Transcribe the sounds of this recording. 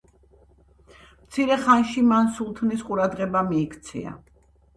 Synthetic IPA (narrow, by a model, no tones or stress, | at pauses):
mt̪sʰiɾɛχanʃimansulˠt̪ʰnisqʼuɾad̪ʁɛbamiːkʰt̪sʰḭa̰